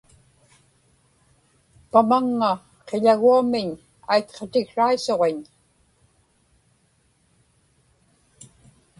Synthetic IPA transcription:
pamaŋːa | qeʎaɣuamɪɲ | ajt̪qʰot̪ɪɣʂaiso̞ʁeɲ

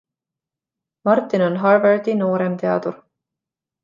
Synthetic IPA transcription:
mɑrt̪ːˑinonɦɑrverd̪ino̞ːɾemt̪e̞ɑ̰d̪uɾ

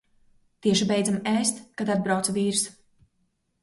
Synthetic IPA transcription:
t̪iɛʃibɛjd̪zamɛːst̪kad̪ad̪̚bɾawt̪sviːɾs

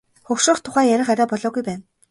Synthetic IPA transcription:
χɵxʃʊːχt̪ʰːʊ̥χæːjæɾʲɪ̆χaɾʲaːpɔɮɔːɣujpæːn

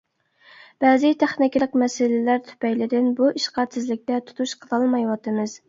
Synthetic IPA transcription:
b̥ɛzɪt̪ʰæχnɪkʲˠəqmɛsɪlɪlæɾt̪ʰy̥pʰɛjlɪd̪ɪnbuʔiʃqɑsɪzlɪk̚ʲt̪ɛt̪ʰu̥t̪ʰuʃqʰəlˠɑlˠmɑjwɑt̪ʰɨmɨz

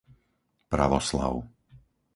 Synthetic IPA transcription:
pɾa̰ʋɔsla̰ʊ

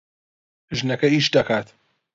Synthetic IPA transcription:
ʒɨnɐkɐiːʃd̪ɐkʰaːt̪

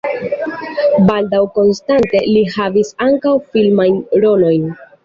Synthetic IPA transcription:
baldawko̞nstante̞lihavisaŋkawfilmajnɾo̞no̞jn

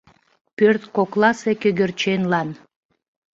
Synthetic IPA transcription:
pørt̪koklˠɑsekøɣĕrt͡ɕenlɑn

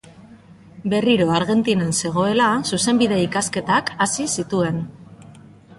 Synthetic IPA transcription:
be̞riɾo̞aɾɣe̞nt̪inanse̞ɣ̞o̞e̞lasuse̞mbiðe̞ikaske̞t̪akasisit̪ue̞n

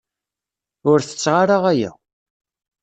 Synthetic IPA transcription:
ʊɾθə̥t͡sːʁaɾaʁæjæ̰

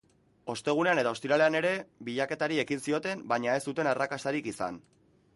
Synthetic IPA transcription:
o̞st̪e̞ɣ̞une̞ane̞t̪ao̞st̪iɾale̞ane̞ɾe̞βiʎake̞t̪aɾie̞kinsio̞t̪e̞mbaɲae̞st̪ut̪e̞narakast̪aɾikisa̰n

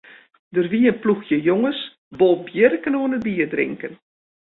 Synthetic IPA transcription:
dərʋiːənpluxjəjoŋəs | bolˠbjərkənoənəbiərdrɪ̰ŋkən

